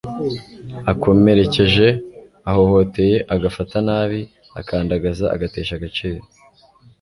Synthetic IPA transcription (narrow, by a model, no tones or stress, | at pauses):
ako̞me̞ɾe̞ce̞ʒe̞ | aho̞ho̞te̞je̞ʔaɡafatanaːβi | a̰kʰaːndaɡazaa̰ɡate̞ːʃaɡat͡ʃeːɾo